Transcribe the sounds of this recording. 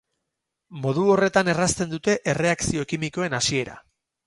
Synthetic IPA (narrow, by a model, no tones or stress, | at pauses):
mo̞ð̞uo̞re̞t̪ane̞rast̪e̞nd̪ut̪e̞ʔere̞aksio̞kimiko̞e̞nasie̞ɾa̰